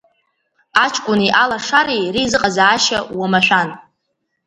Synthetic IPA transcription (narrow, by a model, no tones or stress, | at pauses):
at͡ʃʰʼkʷʼʊniʔalaʂaɾejrizɨqʼazaːʃawamaʃʷᶣan